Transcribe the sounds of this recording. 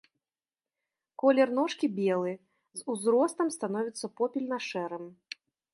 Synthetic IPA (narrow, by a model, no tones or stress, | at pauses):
kɔlʲɛrnɔʂkʲibʲɛlˠɨ | zuzɾɔst̪ɐmst̪anɔvʲit̪sːɐpɔpʲilʲnɐʂɛɾɨm